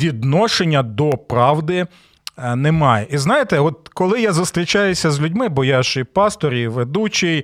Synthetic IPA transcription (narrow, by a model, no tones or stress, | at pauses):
ʋʲid̪nɔʃenʲːɐd̪ɔpɾɑwd̪ɪ | nɛmɑjɛʔiznɑjet̪ɛɔt̪̚kɔlˠɪjazʊst̪ɾʲit͡ʃɑjʊsʲɐzlʲʊdʲmɪbɔjɑʃejpɑst̪ɔɾʲiʋed̪ut͡ʃij